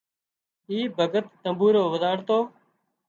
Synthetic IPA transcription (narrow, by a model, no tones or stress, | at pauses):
iːbʱəɡət̪ːəmbuːɾoːʋəd̪aːɽt̪oː